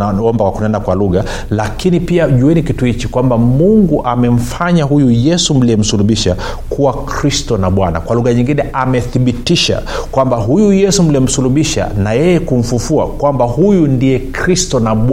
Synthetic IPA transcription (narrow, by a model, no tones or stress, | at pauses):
aɔmbakwakunɛndakwaluɣa | lakinipiaʄuɛnikituhit͡ʃikwambamuŋɡuʔamɛm̩faɲaɦujujɛsum̩liɛm̩suluɓiʃa | kʰuwakɾistɔnaɓwana̰kwaluɣaɲiŋɡinɛʔamɛθiɓitiʃa̰kwambaɦujujɛsum̩liɛm̩suluɓiʃa̰najɛjɛkum̩fufua̰kwambahujundijɛkɾistɔnaɓ